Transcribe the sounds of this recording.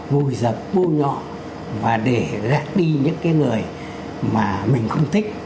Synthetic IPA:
vu˨˩jzə˨˩p̚ɓu˧ɲɔ̰˧˨ | vaː˨˩ɗe˧˩zaː˦k̚ɗi˧ɲɨ̰˧˥ŋkaː˨˦jŋɨ˨˩əj | maː˨˩mï˨˩ŋ̟xə˧wŋ͡mt̪ʰï˦˥k̟̚

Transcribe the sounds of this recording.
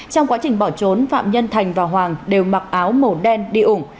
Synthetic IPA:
t͡ɕɔ˧wŋ͡mkwaː˨˦t͡ɕï˨˩ŋ̟ɓɔ˧˩t͡ɕo˨˦nfa̰ː˧˨mɲə˧nt̪ʰa˨˩jŋ̟vaː˨˩wɦwaː˨˩ŋɗe˨˩wma˨˩k̚ʔaː˨˦wmo˨˩ɗɛ˧nɗi˧ʔʊ˧˩ŋ͡m

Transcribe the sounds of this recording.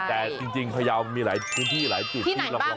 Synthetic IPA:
t̪ɛː˨˩t͡ɕi˧ŋt͡ɕi˧ŋpʰa˧jaː˧wm˧miː˧laː˩˦jpʰɯː˦˥nt̪ʰiː˥˩laː˩˦jt͡ɕu˨˩t̪ʰːla˧ɔ˧˩

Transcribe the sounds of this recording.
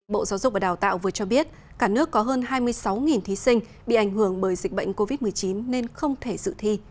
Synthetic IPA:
ɓo̰˧˨zaː˨˦wzʊ˨˩k͡p̚va˨˩ɗaː˨˩wt̪a̰ː˧˨wvɨ˨˩ət͡ɕɔ˧ɓi˦˥ət̚ | kaː˧˩nɨ˦˥əkːɔ˨˦ɦəː˧nɦaː˧jmɨ˧əjsa˨˦wŋi˨˩nt̪ʰi˨˦sï˧ŋ̟ | ɓḭ˧˨ʔa˧˩jŋ̟hɨ˧˩əŋɓəː˧˩jzï˨˩k̚ɓə̰˧˨jŋ̟ko˧vi˦˥t̚mɨ˨˩əjt͡ɕi˨˦nːe˧nxə˧wŋ͡mt̪ʰe˧˩zɨ̰˧˨t̪ʰi˧

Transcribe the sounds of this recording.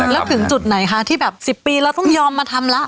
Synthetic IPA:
lɛː˦˥wt̪ʰɯ˩˦ŋt͡ɕu˨˩t̪̚na˩˦jkʰa˦˥t̪ʰiː˥˩bɛː˨˩p̚si˨˩pːiː˧ɾɛː˧˥wt̪ɔ˥˩ŋjɔː˧mːaː˧t̪ʰa˧mla˦˥ʔ

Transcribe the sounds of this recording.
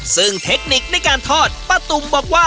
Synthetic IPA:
sɯ˧˥˩ŋt̪ʰe˦˥k̚ni˨˩k̚na˧˥˩jkaː˧nt̪ʰɔː˥˩t̪̚pɾa˧t̪u˧mbɔː˨˩k̚waː˥˩

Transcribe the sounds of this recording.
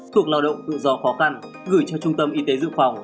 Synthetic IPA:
t̪ʰu˨˩ək̚laː˧wɗə̰˧˨wŋ͡mt̪ɨ̰˧˨zɔ˧˩xɔ˨˦xa˧n | ɣɨ˧˩jt͡ɕɔ˧t͡ɕʊ˧ŋ͡mt̪ə˧mʔi˨˦t̪e˨˦zɨ̰˧˨ŋfa˨˩wŋ͡m

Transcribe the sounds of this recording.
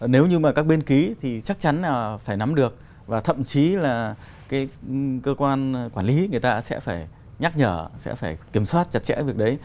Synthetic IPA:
ne˨˦wɲɨ˧maː˨˩kaː˦˥k̚ɓe˧nki˨˦t̪ʰi˨˩t͡ɕa˦˥k̚t͡ɕa˨˦nlaː˨˩faː˧˩jna˨˦mɗɨ˨˩ək̚ | vaː˨˩t̪ʰə̰˧˨mt͡ɕi˨˦laː˨˩ | kaː˨˦jkəː˧kwaː˧nkwaː˧˩nli˨˦ŋɨ˨˩əjt̪aː˧sɛ̰˧˥faː˧˩j | ɲa˦˥k̚ɲəː˧˩sɛ̰˧˥faː˧˩jki˧˩əmswaː˦˥t̚t͡ɕa˨˩t̚t͡ɕɛ̰˧˥vi˨˩ək̚ɗə˨˦j

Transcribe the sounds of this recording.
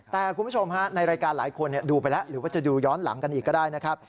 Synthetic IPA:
t̪ɛː˨˩kʰu˧nbt͡ɕʰo˧mha˦˥na˧jɾaː˧jkaː˧nla̰ː˩˦jkʰo˧ni˥˩ɐduː˧pa˧jlɛ˦˥ʔɾɯː˩˦waː˥˩t͡ɕa˨˩duː˧jɔː˦˥nla̰˨˩˦ŋka˧nʔiː˨˩kːɔː˥˩aː˥˩jna˦˥kʰa˦˥p̚

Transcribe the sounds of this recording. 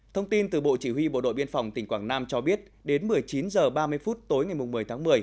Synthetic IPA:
t̪ʰə˧wŋ͡mt̪i˧nt̪ɨ˨˩ɓo̰˧˨t͡ɕi˧˩ɦwi˧ɓo̰˧˨ɗo̰˧˨jɓi˧ənfa˨˩wŋ͡mt̪ï˧˩ŋ̟kwaː˧˩ŋnaː˧mt͡ɕɔ˧ɓi˦˥ət̚ɗe˨˦nmɨ˨˩əjt͡ɕi˨˦nzəː˨˩ɓaː˧mɨ˧əjfu˦˥t̚t̪o˨˦jŋa˨˩jmʊ˨˩ŋ͡mmɨ˨˩əjt̪ʰaː˨˦ŋmɨ˨˩əj

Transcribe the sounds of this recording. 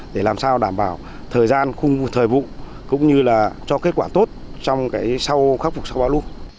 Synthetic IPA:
ɗe˧˩laː˨˩msaː˧wɗaː˧˩mɓaː˧˩w | t̪ʰəː˨˩jzaː˧nxʊ˧ŋ͡mvu˧t̪ʰəː˨˩jvṵ˧˨ | kʊ̰˧˥ŋ͡mɲɨ˧laː˨˩t͡ɕɔ˧ke˦˥t̚kwaː˧˩t̪o˦˥t̚t͡ɕɔ˧wŋ͡mkaː˨˦jsa˧wxaː˦˥k̚fʊ˨˩k͡p̚sa˧wɓaː˧˩wlu˧ən

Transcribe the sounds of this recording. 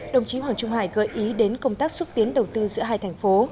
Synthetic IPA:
ɗə˨˩wŋ͡mt͡ɕi˨˦ɦwaː˨˩ŋt͡ɕʊ˧ŋ͡mha̰ː˧˩jɣəː˧˩jʔi˨˦ɗe˨˦nkə˧wŋ͡mt̪aː˦˥k̚swə˦˥t̚t̪i˨˦ənɗə˨˩wt̪ɨ˧zɨ̰˧˥əɦaː˧jt̪ʰjŋ̟fo˨˦

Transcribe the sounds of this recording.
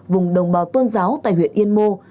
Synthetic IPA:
vʊ˨˩ŋ͡mɗə˨˩wŋ͡mɓaː˨˦wt̪wə˧nzaː˨˦wt̪a̰ː˧˨jɦwḭ˧˨ənʔi˧ənmo˧

